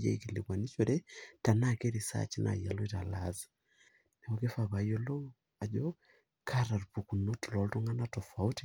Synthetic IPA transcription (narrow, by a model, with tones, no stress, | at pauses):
jɛ̰˦iki˨lḭ˨kwa˨ni˦t͡ʃo˨ɾɛ˦ta˨na˦ke˦ɾi˨sa̰˦t͡ʃi˦nʔa̰˨ja˨lo˦i˦ta̰˨la̰z | nɛ˨o˦ke˦fa˨βa˨jo˦lo˦ŋ | a˨d͡ʒɔ˦ | kʰa˦ɾa˨rpu˨ku˨no˦tlɔ˨ltu˦ŋa˦na˦tɔ˨fa˨u˦ti˦